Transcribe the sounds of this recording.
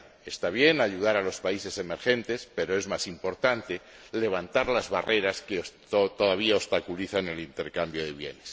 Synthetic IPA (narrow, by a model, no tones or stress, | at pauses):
e̞st̪aβ̞je̞naʝuðaɾalo̞spaise̞se̞me̞ɾxe̞nt̪e̞spe̞ɾo̞e̞zmasimpo̞ɾt̪ant̪e̞ | le̞β̞ant̪aɾlazβare̞ɾaske | t̪oðaβ̞iaost̪akuliθane̞lint̪e̞ɾkambjo̞ðe̞βje̞̰nes